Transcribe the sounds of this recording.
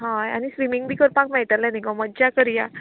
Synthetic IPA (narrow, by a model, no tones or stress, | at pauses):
ɦãanisɾimiŋɡbʱiːkəɾpakmɛɭt̪alːãnikɔməd͡ʑjakəɾja